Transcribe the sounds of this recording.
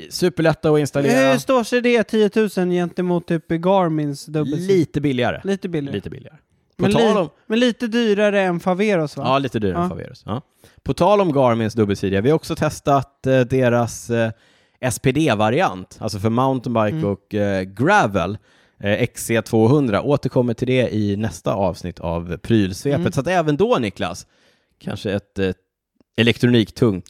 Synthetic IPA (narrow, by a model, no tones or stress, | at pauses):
sʉ̟ːpəɭɛt̪ːaɔɪnst̪alehɵɾɾst̪oːʂɛd̪ɛt̪ʰiːət̪ʰʉ̟ːsənjɛnt̪əmuːt̪ʰːyːpɡɑːɾmɪnsd̪ɵbliːt̪əbɪlːɪa̰ɾə̰liːt̪əbɪlːɪlḭːt̪əbɪ̰lɪa̰ɾə | mʰɔnʰːlɔmɛnliːt̪əd̪yːɾaɾəɛnfaveːɾʊsvaɑːliːt̪əd̪yːɾa̰fa̰vḛːɾʊ̰sɑ̰ː | pʰɔt̪ʰɑːlɔmɡɑːɾmɪnsd̪ɵbːəlsiːd̪ɪavɪhaɾɔksɔt̪ʰɛst̪at̪d̪eːɾas | ɛspʰeːd̪eːvaɾɪant̪a̰lsɔfœɾmaʊnt̪ənbaɾkɔkɡɾævə̰l | ɛkseːt̪ʰv̥oːɦɵnd̪ɾa̰ʔoːt̪əɾkʰɔmːəʈʰɪld̪ɛɪnɛst̪a̰ɑːvsnɪt̪ʰːa̰vpʰɾyːlsveːpət̪sat̪ɛːvənd̪ɔnɪkla̰s | kʰa̰nʂəɛt̪ | ɛlɛk̚t̪ɾʊniːkt̪ʰɵŋt̪